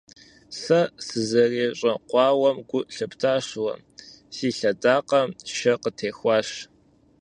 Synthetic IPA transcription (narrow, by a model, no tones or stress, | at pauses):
sɐsɨzɐreːɕʼɐqʷɑːwɐmɡʷʊʔɬɨptʰaːɕwɐ̰ | siːɬɐdaːqɐmʃɐqətʰeːxʷɑːɕ